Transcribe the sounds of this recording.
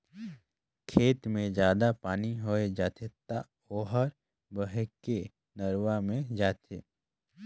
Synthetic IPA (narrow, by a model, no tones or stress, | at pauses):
kʰeːt̪mẽd͡ʒjaːd̪apaːniɦoːed͡ʒaːt̪ʰet̪a | oːɦəɾ | bəɦeke | nəɾwamẽd͡ʒaːt̪ʰḛː